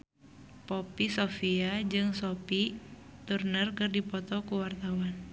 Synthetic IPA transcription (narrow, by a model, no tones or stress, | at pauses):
pɔpisofiad͡ʒɨŋsɔpi | t̪urnərkɨrdipɔt̪ɔkuwart̪awan